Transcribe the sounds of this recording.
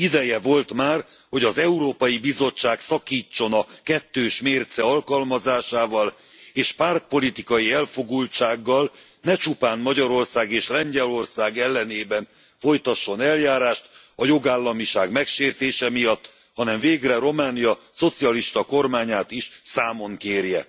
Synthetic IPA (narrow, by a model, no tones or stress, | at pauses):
id̪ɛjɛvo̞lt̪maːr | ho̞ɟɒzɛuɾoːpɒjibizo̞t͡ʃːaːksɒkiːt͡ʃːo̞nɒkɛt̪ːøːʃmeːrt̪sɛɒlkɒlmɒzaːʃaːvɒl | eːʃpart̪̚po̞lit̪ikɒjiɛlfo̞ɡult͡ʃaːɡːɒl | nɛt͡ʃupaːnmɒɟɒɾo̞rsaːɡeːʃrɛɲɟɛlo̞rsaːɡɛlːɛneːbɛn | fo̞jt̪ɒʃːo̞nɛljaːɾaːʃt̪ | ɒjo̞ɡaːlːɒmiʃaːɡmɛkʃeːrt̪eːʃɛmijɒt̪ː | hɒnɛɱveːɡrɛɾo̞maːnijɒso̞t̪siɒliʃt̪ɒko̞rmaːɲaːt̪iʃsaːmo̞ŋkeːrjɛ̰